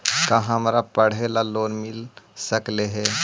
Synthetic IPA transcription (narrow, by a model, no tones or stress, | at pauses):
kaɦəmɾapəɽ̤elaloːnmɪlsəkleɦɛː